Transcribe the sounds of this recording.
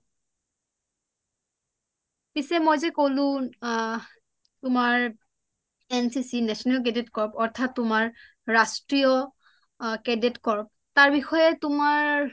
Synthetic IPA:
pisɛmojzɛkolʊ̃ | tʊmaɹ | ɛnsisinɛsɔniɔk̬ɛdetkɔɹpɔɹtʰatːʊmaɹː | astɹijɔ | kɛdetkɔɹp̚taɹbixɔjɛtʊmaɹ

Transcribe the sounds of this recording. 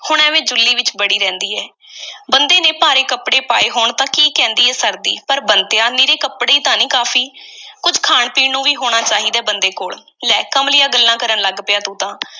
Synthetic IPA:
hʊɳɛːʋẽːd͡ʒʊlːiːʋɪt͡ʃbəɽiːɾɛ̃ːnd̪iːɛː | bənd̪eːneːpaːɾeːkəpɽeːpaːeːɦoːɳt̪ãːkiːkɛ̃ːnd̪iːɛːsəɾd̪iːpəɾbənt̪jãːniːɾeːkəpɽeːiːt̪ãːnĩːkaːfʰiːkʊd͡ʒkʰaːɳpiːnũːʋiːɦoːɳ̃aːt͡ʃaːɦiːd̪ɛːbənd̪eːkoːɭ | lɛːkəmlɪjaːɡəlːãːkəɾəɳləɡpɪjaːt̪ũːt̪ãː

